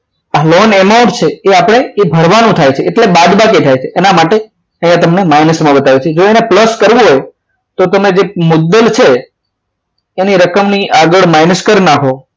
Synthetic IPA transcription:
alonemaʊ̃ɳʈt͡ʃʰeeapɳ̃eebʱəɾʋanũt̪ʰajt͡ʃʰeʔːʈlebad̪baket̪ʰajt͡ʃʰeʔenamaʈe | əɦjãt̪əmnemajnəsmãbət̪aʋjut͡ʃʰed͡ʒoenepləskəɾʋũɦoj | t̪ot̪əmed͡ʒemʊd̪ːəlt͡ʃʰe | niɾəkəmniʔaɡəɭmajnəskəɾnaɦo

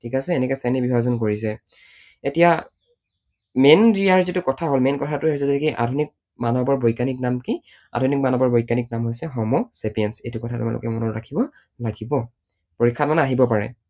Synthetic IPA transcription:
tʰikasɛːnɛkɛsanibibʱazɔnkoɹis̬ɛ | etija | mendiaɹzitukɔtʰaɦolmenkɔtʰatʊɦojs̬ɛzɛtɛkiʔa̰dʱunik̚ | manɔbɔɹbojkanik̚namki | a̰dʱunik̚manɔbɔɹbojkanik̚namɦojsɛɦɔmɔsɛpijɛnsejtʊkɔtʰatʊ̰ma̰lʔʊ̰kɛmɔnɔɹɹa̰kʰibɔ | laɡibɔ | poɹikʰːat̚manaɦibɔpaɹɛ̰

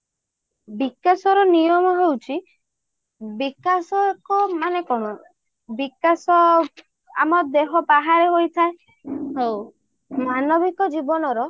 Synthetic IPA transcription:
bikasɔɾɔnijɔmɔɦewt͡ʃʰi | bikasɔekɔmanekɔɽ̃ɔ | bikasɔ | a̰mɔd̪eɦɔbaɦaɾeɦojt̪ʰae | ɦew | manɔbikɔd͡ʒibɔnɔɾɔ

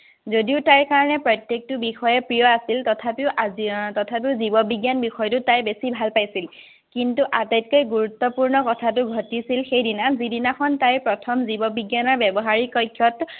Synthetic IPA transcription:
zodiʊtajkaɹɔnɛpɹɔjtjek̚tʊbixɔjɛpɹijɔasiltɔtʰapiʊʔatɔtʰapiʊzibɔbiɡjanbixɔjtʊtajbesibʱalpajsil | kintuʔatajt̚kojɡuɹut̪ːɔpuɹnɔkɔtʰatʊɡʱɔtisilxejdinazidinaxʰɔntajpɹɔtʰɔmzibɔbiɡjanɔɹbjɛbɔɦaɹikɔjkʰːjɔt

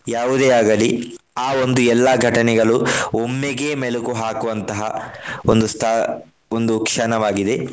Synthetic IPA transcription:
jaːʋud̪eːaːɡɐli | aːo̞nd̪uɛlːaɡʱɐʈɐnɛɡɐɭuomːeɡeːmɛlekuɦaːkuʋɐnt̪ɐɦɐ̰ond̪ust̪ʰa | ond̪ukʂɐnɐʋaːɡid̪e̞

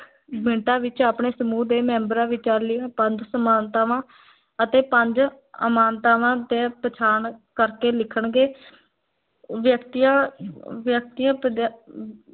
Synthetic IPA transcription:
bɪɳʈãːʋɪt͡ʃaːpɳeːsəmuːd̪eːmɛ̃ːmbəɾãːʋɪt͡ʃaːɾlɪãːpəɲd͡ʒsəmaːnt̪aːʋãː | ət̪eːpəɲd͡ʒ | ə̰maːnt̪aːʋãːt̪eːpət͡ʃʰaːɳkəɾkeːlɪkʰəɳɡeː | ʋjəkt̪ːjãːʋjək̚t̪ijãːpəd̪

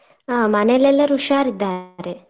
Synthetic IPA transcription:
manelelɐɾuʃaɾid̪aɾe

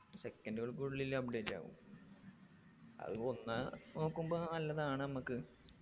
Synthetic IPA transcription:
sekːɐnduɣɐɭk̬uɽuɭilːɐp̚ɖeːtːa̰ːʋṵm | ɐ̰ðɨo̞nːɐno̞ːkːumbo̞ːnɐlːɐðaːɳɨnɐmukːɨ

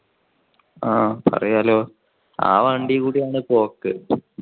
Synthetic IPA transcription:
aːpɐ̰rɐjɐloː | a̰ːʋɐɳɖikuːɽijaːɳɨpo̞ːkːɨ

